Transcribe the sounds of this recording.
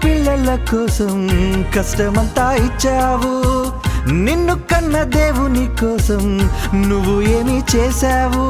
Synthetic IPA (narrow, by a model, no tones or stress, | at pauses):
piɭːɐlɐkɔːsɐmkɐsʈɐmɐnt̪aːit͡ʃːaːʋu | ninːukɐnːɐd̪eːʋunikɔːsɐm | nuʋːueːmit͡ʃeːsaːʋu